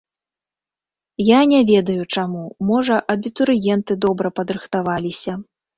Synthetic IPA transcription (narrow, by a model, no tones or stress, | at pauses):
janʲɛvʲɛd̪ɐjut͡ʂamumɔʐɐʔɐbʲit̪uɾɨjɛnt̪ɨd̪ɔbɾɐpɐd̪ɾɨxt̪avalʲisʲɐ